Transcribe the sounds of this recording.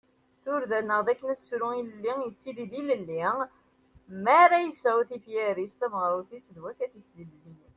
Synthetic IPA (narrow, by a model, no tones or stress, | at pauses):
θʊɾðænːəʁðækːənæsfɾuiləlːijət͡sːiliðiləlːi | mæɾæjəsʕuwθifjæɾist̪ævʁəɾˤʊθisəðwæθæθjəsd̪id̪lini